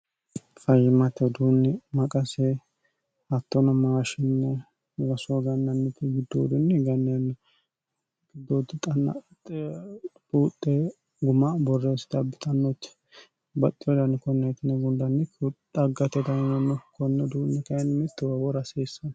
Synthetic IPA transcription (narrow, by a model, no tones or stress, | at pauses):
fɐjɪmɐt̪ːɛd̪uːnːɛmɐkʼɐsɛ | ɐt̪ːɔnɐmaːʃɪnːɛ | wɐsoɡɐnːɐnːɛt̪ːɪɡɪd̪ːo̰ːd̪ʊnːɛɡɐnːɐnːɛ | ɡ̥ɪd̪ːoːd̪ʊt̪ʼɐnːɐ̰ | t̪ʼ | buːt̪ʼːɛ | ɡʊmɐbɔrːɛst̪ɐbɪt̪ʼɐnːot̪ː | bɐt̪ʼːɪɔd̪ɐnːɛkɔnːɛt̪ɪnɛɡʊnd̪ɐnːɛkt̪ʼɐɡɐt̪ɛd̪ɐnnɐnːɔkʰɔnːɛd̪uːnːɛkɐjnmɪt̪ːɪwɐwɔɾɐseːsːɐn